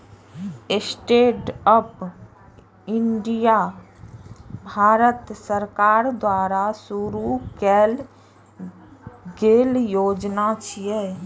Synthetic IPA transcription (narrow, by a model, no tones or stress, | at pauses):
ɪsʈeːʈəp | ɪɳɖija | bʱaːɾət̪səɾkaːɾd̪waːɾasuɾukɛːl | ɡeːljoːd͡ʒnat͡ʃʰijɛː